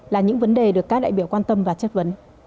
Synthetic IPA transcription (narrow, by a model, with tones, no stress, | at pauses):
laː˨˩ɲɨ̰˧˥ŋvə˨˦nɗe˨˩ɗɨ˨˩əkːaː˦˥ɗa̰ː˧˨ɓi˧˩əwkwaː˧nt̪ə˧mvaː˨˩t͡ɕə˦˥t̚və˨˦n